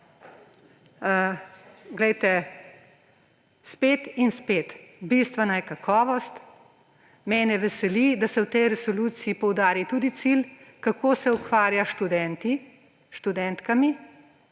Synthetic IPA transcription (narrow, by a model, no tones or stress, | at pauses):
ɡlɛjt̪ɛ | speːt̪inspeːt̪bist̪ʋɛnajɛkakʰɔːʋɔst̪ | mɛnɛʋɛsɛlid̪asɛwt̪ɛjɾɛsɔluːt̪siːpɔwd̪aːɾit̪ud̪it̪silkakoːsɛukʋaːɾjaʃt̪ud̪ɛnt̪i | ʃt̪ud̪ɛnt̪kami